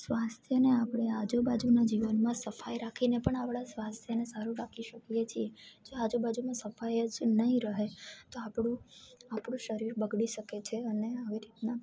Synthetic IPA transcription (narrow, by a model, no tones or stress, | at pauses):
sʋast̪ʰjəneapɽead͡ʒubad͡ʒunad͡ʒiʋənmãsəfajɾakʰinepəɳapɽasʋast̪ʰjənesaɾuɾakʰiʃəkjet͡ʃʰied͡ʒoad͡ʒubad͡ʒumãsəfajəd͡ʒnəɦĩɾəɦet̪oapɽũapɽũʃəɾiɾbəɡɽiʃəket͡ʃʰeəneaʋiɾit̪na